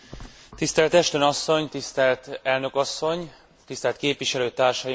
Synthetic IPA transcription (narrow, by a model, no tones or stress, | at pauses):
t̪ist̪ɛlt̪ɛʃt̪ønɒsːo̞ɲt̪ist̪ɛlt̪ɛlnø̞kɒsːo̞ɲ | t̪ist̪ɛlt̪̚keːpvʋiʃɛløːt̪aːrʃɒji